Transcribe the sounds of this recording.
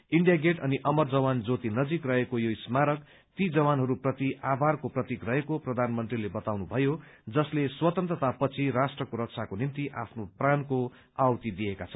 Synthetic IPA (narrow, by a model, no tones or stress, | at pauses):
iɳɖijaɡeʈʌniʔʌmʌrd͡zʌwand͡zot̪inʌd͡zikrʌɦekojoismaɾʌk | t̪id͡zʌwanɦʌɾuprʌt̪iʔabʱarkoprʌt̪ikrʌɦekoprʌd̪ʱanmʌnt̪rilebʌt̪awnubʱʌjo | d͡zʌsleswʌt̪ʌnt̪rʌt̪apʌt͡sʰiɾasʈrʌkoɾʌk̚t͡sʰakonint̪iʔa̰pʰnopranko | awt̪id̪ijekat͡sʰʌn